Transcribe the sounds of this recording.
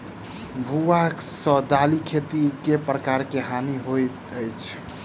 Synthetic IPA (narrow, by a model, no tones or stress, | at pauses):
bʱuaksəd̪alikʰet̪iɾkepɾəkaɾkeɦaniɦojt̪əjt͡ʃʰ